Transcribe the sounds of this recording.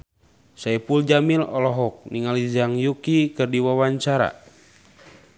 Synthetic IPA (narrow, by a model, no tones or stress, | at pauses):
saipuld͡ʒamilɔlɔɦɔk̚niŋalid͡ʒaŋjukikɨrdiwawaɲt͡ʃaɾa̰